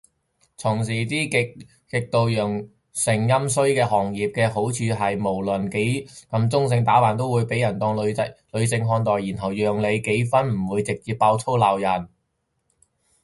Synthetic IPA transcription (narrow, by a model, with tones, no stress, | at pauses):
t͡sʰʊ˨˩ŋs̬iː˨˩t̪iː˥kɪ˨ | kɪ˨k̚t̪o˨wjœː˨˩ŋ | sɪ˨˩ŋjɐ˥msɵ˥ɥkɛː˧hɔː˨˩ŋjiː˨p̚kɛː˧ɦo˨˥wt͡ʃʰyː˨˧ɦɐ˨jmo˨˩wlɵ˨nke˨˥jkɐ˨˧˥mt͡sʊ˥ŋs̬ɪ˧ŋt̪aː˨˥waː˨nt̪̬o˥wuː˨˧jpe˨˥jɐ˨˩nt̪ɔː˧ŋlɐ˨lɵ˨˧ɥsɪ˨˧ŋɦɔː˧nt̪ɔː˨jiː˨˩nɦɐ˨˩wjœː˨ŋle˨˧jke˨˥jfɐ˥nm̩˨˩wuː˨˧jt͡sɪ˨k̚t͡siː˨p̚ːaː˧wt͡sʰo˥wlaː˨wjɐ˨˩n